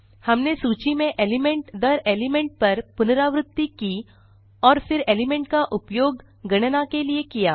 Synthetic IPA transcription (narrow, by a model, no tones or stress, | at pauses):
hɐmnesuːt͡ʃimẽʔeːlɪmẽɳʈd̪ɐɾeːlɪmẽɳʈ̚pɐɾpʊnɾaːʋɾʊt̪ːiki | ɔːɾfɪɾeːlɪmẽɳʈkaʔʊpjoːɡ | ɡɐɽ̃nakeliekijaː